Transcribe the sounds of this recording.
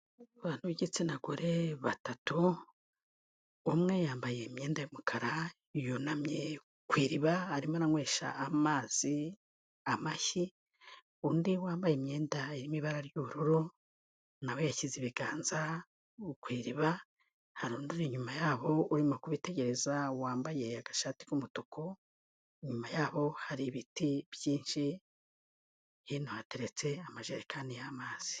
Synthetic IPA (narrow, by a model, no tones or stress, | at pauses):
βaːn̥huβiɟit͡sinaɡuɾe̞βatatu | mŋe̞jaːmbaje̞mɲe̞ːndajomukʰaɾa | jonamɲe | kwiːɾiβahaɾimonaŋwe̞ːʃa̰ʔːmaːz̥i | amaçi | undiwaːmbajemɲe̞ːndaeɾimiβaɾaɾjuɾuɾo | nawojaciziβiɡaːnza | ukwiːɾiβa | haɾuːnduɾeɲumajaːβo̞uɾimokuβite̞ɟe̞ɾe̞zawaːmbaje̞aɡ̥aʃati̥kumutuko | iɲumajaːβo̞haɾiβitiβjiːnʃi | hinohate̞ɾet͡se̞amaʒaɾekaːndijamaːz̥i̥